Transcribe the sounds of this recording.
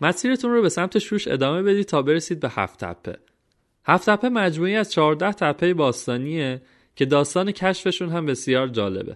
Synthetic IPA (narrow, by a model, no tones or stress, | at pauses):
mæsiːɾet̪ʰunrobe̞sæmt̪ʰe̞ʃuːʃe̞̰d̪ɒːme̞be̞d̪iːt̪ʰɒːbe̞ɾesiːd̪̚be̞hæ̰ft̪ʰæ̰pʰːe̞̰ | hæft̪ʰæpʰːe̞mæd͡ʒmuːiæz̥t͡ʃʰɒːɾd̪æht̪ʰæpʰːejebɒːst̪ɒːnie | cʰe̞d̪ɒːst̪ɒːne̞cʰæʃfe̞ʃuːnɦæmbe̞sjɒːɾd͡ʒɒːle̞̰bḛ